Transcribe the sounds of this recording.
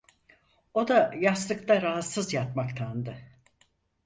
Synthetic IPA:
o̞d̪ajaslˠɯkt̪ʰaɾaɦat̪sɯzjat̪makt̪ʰand̪ɯ

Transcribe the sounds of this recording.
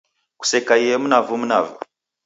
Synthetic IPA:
ku̥sekaiemunavumunavṵ

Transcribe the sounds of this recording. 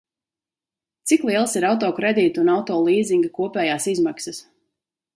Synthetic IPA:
t̪siklˠiɛlˠsiɾawt̪̬ɔːkɾed̪iːt̪unawt̪ɔːlˠiːziŋɡakuɔpɛːjaːsizmaksɐs

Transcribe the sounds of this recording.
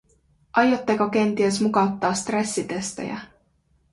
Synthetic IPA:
ʔɑjot̪ːekok̟e̞nt̪ies̬mukɑwt̪ːɑːst̪re̞sːit̪e̞st̪ḛjæ̰

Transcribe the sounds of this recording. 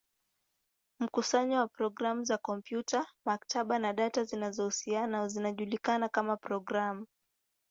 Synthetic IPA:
m̩kusaɲɔwapɾɔɡɾamuzakɔmpjutamaktʰaɓanaɗatazinazɔhusianazinaʄulikanakamapɾɔɡɾamu

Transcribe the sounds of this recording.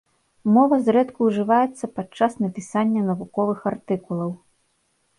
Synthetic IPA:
mɔvɐzɾɛt̪kuːʐɨvajɛt̪sːɐpat͡ʂːasnɐpʲisanʲːɐnɐvukɔvɨxart̪ɨkulˠɐw

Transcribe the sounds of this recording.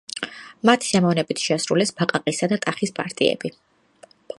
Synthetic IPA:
mat̪ʰi̥sɛmɔvnɛbit̪ʰʃɛasɾulɛsb̥aqʼaqʼisad̪at̪ʼaχispʼa̰ɾt̪ʼḭɛ̰bi

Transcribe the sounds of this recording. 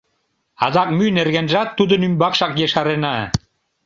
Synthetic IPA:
ɑzɑk̚mynerɣænʒæt̪ːud̪ə̆nymbɑkʃɑkjeʃɑɾenɑ

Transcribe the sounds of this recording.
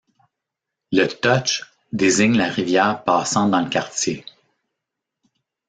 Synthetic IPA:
lət̪ɔt͡ʃ | d̪ezɪɲlaʁivjɛːʁpɑːsɑ̃d̪ɑ̃ləkʲaʁtje

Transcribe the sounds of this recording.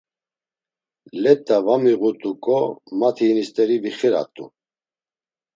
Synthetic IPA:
lɛt̪ʼːavamiʁut̪ʼukʼɔmat̪ʰinist̪ʼɛɾibiχɛɾa̰t̪ʼṵ

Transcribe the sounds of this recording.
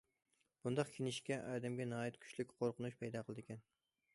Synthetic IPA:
b̥und̪ɑqkʲʰenɪʃkʲɛʔɑːd̪ɛmɡʲɛnɑːjit̪kʲʰy̥t͡ʃʲlykʲqʰoɾqʊnuʃpʰɛjd̪ɑːqʰəlˠɨd̪ɪkʲɛn

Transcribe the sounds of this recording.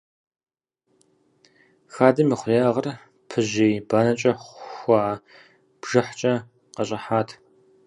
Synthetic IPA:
xaːdɨmiːχʷreːʁɐr | pʰɨʑeːbaːnɐt͡ʃʼɐχʷaː | b̥ʒ̥ɨħt͡ʃʼɐ | qɐɕʼɐħaːtʰ

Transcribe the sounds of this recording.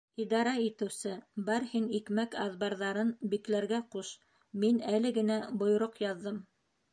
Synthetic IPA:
id̪ɑɾɑit̪ɘ̆wsɘbɑɾhinikmækɑðbɑɾðɑɾɤnbiklæɾɡæquʃ | minælɘ̆ɡɘ̆næbŏj̆ɾoqjɑðːɤm

